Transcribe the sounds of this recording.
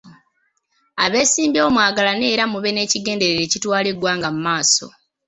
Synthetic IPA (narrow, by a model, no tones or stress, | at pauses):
aβe̞ːsiːmbjo̞ːmwaːɡalane̞ːɾamuβe̞ne̞ːciɡe̞ːnde̞ɾeɾeːcitwaːleɡwaːŋɡamumaːso̞